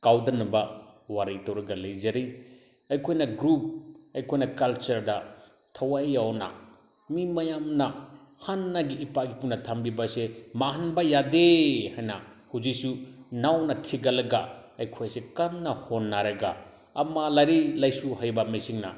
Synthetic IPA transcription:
kawdɐnɐbawaɾɐjtawɾɐɡalejzaɾi | ɐjkʰojnɐɡɾup̚ɐjkʰojnɐkalt͡ʃɐɾda | tʰawajːawna̰ | mimɐjamnahanːaɡiːpaɡipunːɐtʰambibasemaɦanbajadehajnahuzisunawnɐtʰiɡɐlɐɡaɐjkʰojsekanːɐhonːaɾɐɡa̰ː | malaɾilajsuhajbɐmesiŋna̰

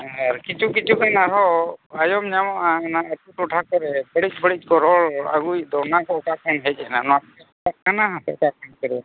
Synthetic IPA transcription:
aɾkit͡ʃukit͡ʃʰukanaɾɔajɔmɲamɔʔanaət̪uʈuʈʰakɔɾɛbəɽic̚ˀbəɽic̚ˀkɔɾɔɭa̰ɡujd̪ɔnakɔkakʰanɦɛc̚ˀɛnanɔapɛ | takʰanaɦãsɛ̰ʔkak̚ankəɾia

